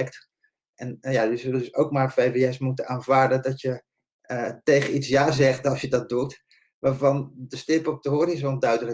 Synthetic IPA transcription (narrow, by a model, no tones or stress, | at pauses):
ɛkt | ɛnjajəzələdɵsowk̚maːɹfejveɛsmutənaːnvaːɹdədɑtjə | tejχəitsjaːzɛχtɑlˠsjədɑt̚dut | ʋaːɹvɑndəstɪpɔp̚dəɦɔɾizɔndœɥdələ